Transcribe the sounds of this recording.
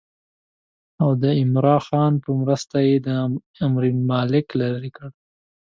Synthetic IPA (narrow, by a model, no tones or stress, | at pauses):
awd̪əɪmɾɑxɑnpəmɾəst̪ajed̪ə | amɾimɑlɪklaɾikəɽ